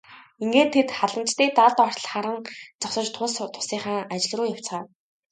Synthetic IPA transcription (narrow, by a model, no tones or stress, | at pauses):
iŋɡeːt̪ʰːet̪χaɮə̆mt͡ɕt̪iːt̪aɮt̪ɔr̥ɮχaɾə̆ŋt͡sɔχsɞ̆t͡ɕt̪ʰʊst̪ʰʊ̥siːŋχaːŋat͡ɕɪ̆ɮ̆ruːjaw̥t͡sχaː